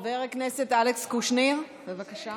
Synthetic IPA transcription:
veʁekneset̪alekskuʃniʁ | bevakaʃa

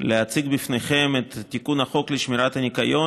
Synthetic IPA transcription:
leat͡siɡbifnejχemet̪at̪ːikunaχo̞kleʃmiɾat̪anikajo̞

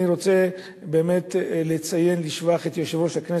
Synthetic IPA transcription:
iʁo̞t͡se̞ | be̞ːme̞t̪let͡saje̞nliʃvaχet̪joʃivothakne

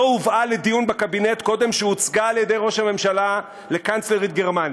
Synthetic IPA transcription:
uvʔale̞d̪ijunbakabine̞t̪ko̞de̞mʃeut͡sɡaːljed̪e̞jʁo̞ʃhame̞mʃala | le̞kant͡sleʁit̪̚ɡe̞ʁmanj

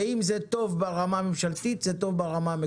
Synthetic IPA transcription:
imzet̪o̞vbeʁamamemʃalt̪it̪zet̪o̞vbaʁamame

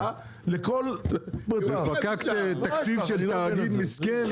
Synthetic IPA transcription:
lekolb̪efakakt̪t̪akt͡st͡sivʃelt̪aːɡid̪miskɛn

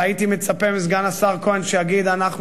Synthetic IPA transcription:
aitimɛt͡sapɛmɪs̬ɡanasaʁkoɛnʃɛaɡidanaχ

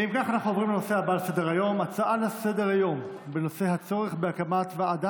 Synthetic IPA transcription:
imkaχanaχnuvʁimleno̞sehabalase̞deʁajo̞mat͡saʔalase̞deʁajo̞mbeno̞se̞ɦat͡so̞ʁeχbeakamat̪vaad̪a

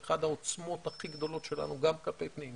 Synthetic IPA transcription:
χad̪hao̞t͡smo̞t̪haχiɡd̪o̞lo̞tʃe̞la̰nuɡamkape̞jpnim

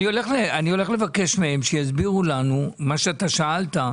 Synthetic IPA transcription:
nio̞le̞χleanio̞le̞χle̞vake̞ʃmeemʃejazbiʁulanumaʃeat̪aʃaalta

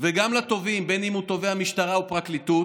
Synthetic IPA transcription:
veɡamlat̪o̞vimbe̞nimut̪o̞ve̞hamiʃtaʁaupʁaklit̪ut

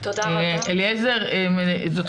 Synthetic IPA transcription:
eliezeʁemzot̪

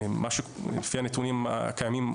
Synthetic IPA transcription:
maʃulefihanet̪unim̰kajamim

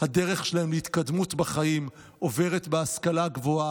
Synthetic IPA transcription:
hade̞ʁeχʃelaemleit̪kadmutbaχaim | ʔo̞ve̞ʁetbeaskalaɡvoa

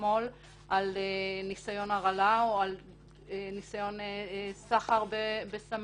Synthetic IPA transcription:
mo̞l | ʔalenisajo̞naʁalaoal | enisajo̞nesaχaʁbebesam

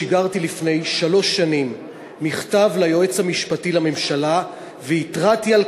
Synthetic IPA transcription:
iɡaʁtilifne̞jʃalo̞ʃːanimː | iχtavlajo̞e̞t͡shamiʃpatilame̞mʃala | veitʁatial

